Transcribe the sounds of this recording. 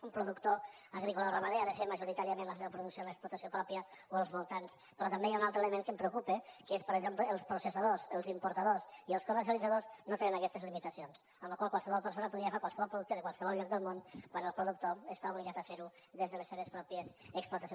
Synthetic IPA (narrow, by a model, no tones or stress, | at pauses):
umpɾuðukt̪o | əɣɾikularamaðeaðəfeməʒuɾit̪aɾiəmẽnləs̬eβəpɾuðuksioləksplut̪əsiopɾɔpiəoəlˠzβulˠt̪ans | pəɾɔt̪əmbejaunalt̪ɾəeləmeŋkəmpɾəukupəkəespəɾəɡzempləːlˠspɾusəsəðosəlˠzimpuɾt̪aðosiəlˠskuməɾs̬iəlid͡zaðoznot̪enənəkɛst̪əzlimit̪əsions | əmləkwalˠkwalˠsəβɔlˠpəɾsonəpuðiəfekwalˠsəβɔlˠpɾuðuk̚t̪əðəkwalˠsəβɔlʎɔk̚d̪əlˠmonkwanəlˠpɾuðuk̚t̪oəst̪auβliɣat̪əfeɾuðezðələseβ̞əspɾɔpiəzəksplut̪əsj